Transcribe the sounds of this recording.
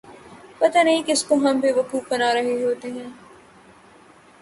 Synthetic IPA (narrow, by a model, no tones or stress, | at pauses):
pɐt̪anɐɦĩkɪskoɦɐ̃mbeːʋɐkuːfbɐnaːɾɐɦeɦoːt̪eɦɛ̃ː